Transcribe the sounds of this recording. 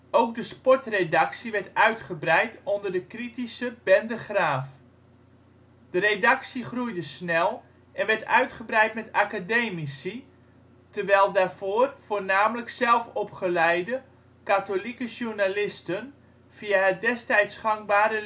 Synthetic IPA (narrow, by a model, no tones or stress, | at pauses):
owk̚dəspɔrtredaksiʋɛɹtœɥtχəbrɛjtʰɔndərdəkritisəbɛndəχraːf | d̥əredaksiχrujdəsnɛlˠ | ʔɛnʋɛɹtœɥtχəbrɛjtmɛtakadeːmisi | tərʋɛjlˠdaːrv̥oːrfoːrnaːmələksɛlˠfɔpχəlɛjdə | katolikəʒurnalɪstən | v̥iaɦət̚dɛstɛjtsχaŋbaːɾə